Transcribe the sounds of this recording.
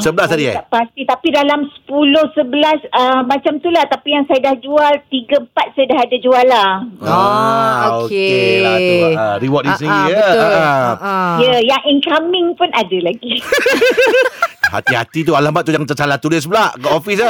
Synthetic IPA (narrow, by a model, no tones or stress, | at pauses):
səbəlasaɾia̰aʔpast̪it̪apidalamsə̥pulʊhsəbəlasəmat͡ʃamt̪ulaht̪apijaŋsajadahd͡ʒualt̪iɡəəmpat̪̚sajadaɦadad͡ʒualːah | okokeaaɾiwɔt̚isniiə | jəjaŋʔɛnkamɪ̃ŋpʊnʔadəlaɡi | ha̰t̪iɦa̰t̪it̪̬ualambat̪t̪ujaŋt̪ət͡ʃalat̪ulɪs̬blaʔkəofis̬